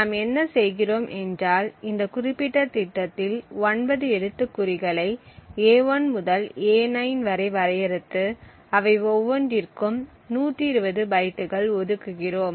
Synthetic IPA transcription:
naːmɛnːɐsɛjɣɪroːmʔɛndraːlɪnd̪ɐkʊrɪpːɪʈːɐt̪ɪʈːɐt̪ːɪlɔnbɐðɯɛɽɯt̪ːɯkːʊɾɪɣɐɭɐɪeːʋɐnmʊðɐleːnɐjnʋɐɾɐɪʋɐɾɐjɐɾɯt̪ːɯ | ɐʋɐɪɔʋːɔɳɖɪɾkɯm | nuːʈrɪɾɯbɐðɯbɐjʈːɯɣɐɭɔðɯkːɯɣɪroːm

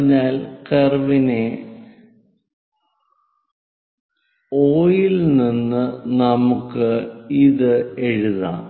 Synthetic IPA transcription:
ɲːaːlkerʋine | oːjilninːɨnɐmukːɨiðɨe̞ɻuða̰ː

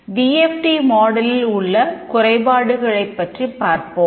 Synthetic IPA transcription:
ʋiːɛfʈimoːɽɐlɪlʊɭːɐkʊrɐɪbaːɽɯɣɐɭɐɪpːɐʈripːaːɾpo

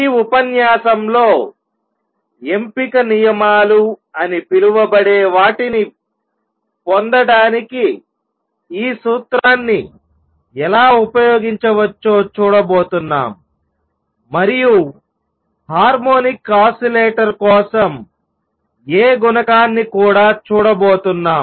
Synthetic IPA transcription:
iːupɐnjaːsɐmlo̞ː | e̞mpikɐnijɐmaːluɐnipiluʋɐbɐɽeːʋaːʈini | pond̪ɐɽaːniki | iːsuːt̪ɾaːnːi | ɛlaːupɐjo̞ːɡiɲt͡ʃɐʋɐt͡ʃːo̞ːt͡ʃuːɽɐbo̞ːt̪unːa̰ːm | mɐɾiju | haːɾmoːnikːaːsɐleːʈɐɾkɔːsɐm | eːɡunɐkaːnːikuːɽaːt͡ʃuːɽɐbo̞ːt̪unːaːm

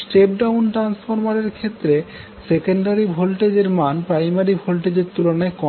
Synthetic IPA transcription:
sʈep̚ɖawnʈɾansfʰoɾmaɾeɾkʰet̪ːɾe | sekeɳɖaɾibʱolʈed͡ʑeɾmanpɾajmaɾibʱolʈed͡ʑeɾt̪ulonaekɔ

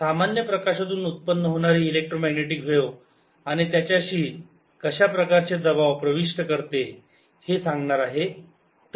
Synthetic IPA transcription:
samanjəpɾəkaɕat̪uːnut̪̚pənːəɦoɽ̃aɾiːlek̚ʈɾomæɡneʈikʋeʋ | aɽ̃it̪jat͡ɕjaɕiː | kəɕapɾəkaɾt͡sed̪əbaʋpɾəʋiʂʈəkəɾt̪e | hesaŋɡɳaɾaɦe | t̪

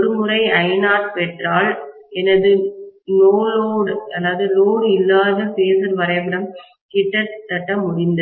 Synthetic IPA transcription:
ɾɯmɯɾɐɪɐɪnaːtpɛʈraːl | ɛnɐðɯnoːloːɽɐlːaːðɯloːɽɪlːaːðɯfeːsɐɾʋɐɾɐɪbɐɾɐm | kɪʈːɐɾt̪ːɐʈːɐmʊɽɪnd̪ɐ

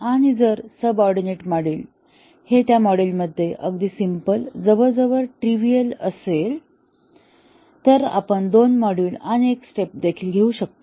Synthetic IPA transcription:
aɽ̃id͡zəɾsəbɔɾɖineʈmɔɽiːl | het̪jamɔɽilməd̪ʱːjeʔəɡd̪iːsimpəld͡zəʋəɾd͡zəʋəɾʈɾiʋijələ̰sel | t̪əɾa̰pəɳd̪onmɔɽiːlaɽ̃ieksʈep̚d̪ekʰiːlɡʱeuːɕək̚t̪o

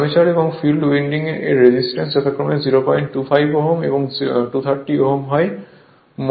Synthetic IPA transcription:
met͡ɕaɾebɔŋfilɖwiɳɖiŋeʔeːed͡ʑisʈensd͡ʑɔt̪ʰakːɾɔmeziɾopɔjɳʈʈufʰajbɔɦomḛboŋʈut̪ʰaɾʈioɦomɦɔe | m

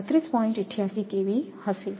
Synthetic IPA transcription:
t̪ːɾiːspɔːɪ̃ɳʈɪʈʰːijasikeʋihɐsɪl

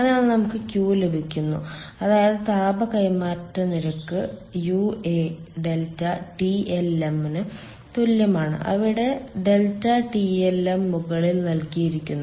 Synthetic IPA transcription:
ɐnaːɭɨnɐmukːɨkʲjuːlebʱikʲːunːṵɐðaːjɐðɨt̪aːbɐkɐjmaːtːɐniɾɐkːɨjueɖe̞ltːɐʈieleminɨ | t̪oljɐmaːɳɨ̰ʔɐ̰ʋiɽe̞ɖe̞ltːɐʈielemːuɣɐɭilnɐlkijiɾikʲːunːu

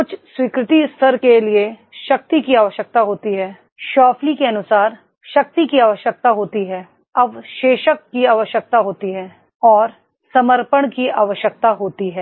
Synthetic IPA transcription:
kʊt͡ʃʰswiːkɾɪt̪iɪst̪ʰəɾkelieʃɐk̚t̪ikiaːʋəʃjək̚t̪aɦoːt̪iɦɛː | ʃɔːpʰlikeɐnʊsaːɾ | ʃɐk̚t̪ikiaːʋəʃjək̚t̪aɦoːt̪iɦɛː | ɐʋʃeːʃəkːiaːʋəʃjək̚t̪aɦoːt̪iɦɛː | ɔːɾ | sɐməɾpəɽ̃kiaːʋəʃjək̚t̪aɦoːt̪iɦɛː

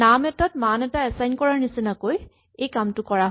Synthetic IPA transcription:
amɛtat̚manɛtaɛsajnkɔɹaɹnisinakoj | ejkamtʊkɔɹaɦ

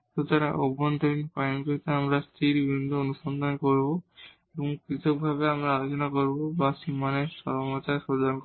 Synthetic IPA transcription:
t̪ut̪aɾaʔobɔnt̪ɔɾinpajnkoɹit̪eamɾast̪ʰiɾbibʱind̪ʱɔonusɔnd̪ʱɔnkoɹbo | ebɔŋkit̪ʰɔk̚bʱabeamɾaːlot͡ɕɔnakoɾibobasimanesɔ̰lmat͡ɕaɹsɔɾdank

